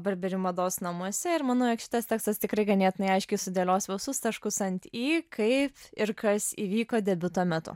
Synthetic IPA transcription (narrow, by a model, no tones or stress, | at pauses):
bɐɾbʲɛɾʲɪmɐd̪oːsnɐmuɔsʲɛɪɾmɑːnoːjɛkʃʲɪ̥t̪ɐst̪ʲæːkst̪ɐst̪ʲɪkɾɐɪɡɐnʲeːt̪ʲɪnɐɪɐɪʃʲkʲɛɪsʊd̪ʲeːlʲoːsʋʲɛʊsʊst̪ɐʃkʊsɐnʲt̪ʲiːkʰɐɪpɪɾkɐsiːʋʲiːkoːd̪ʲɛbʲʊt̪oːmʲɛt̪ʊ̰